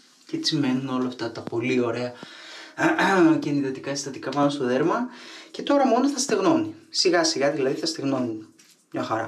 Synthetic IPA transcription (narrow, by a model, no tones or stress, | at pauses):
cet͡sime̞nuno̞lɐːft̪ɐt̪ɐpo̞lio̞ɾe̞ɐ | ceniðot̪ikɐest̪ɐt̪ikɐpɐnost̪oðeɾmɐce̞t̪o̞ɾɐmo̞noθɐst̪eɣno̞nisiɣɐsiɣɐðilɐðiθɐst̪eɣno̞ni | mɲɐxɐɾɐ̰